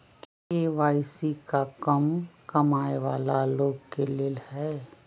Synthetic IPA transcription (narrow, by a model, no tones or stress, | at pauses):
k | eʋaːɪsikakɐmkɐmaːeʋaːlaloːɡkeleːlhɛː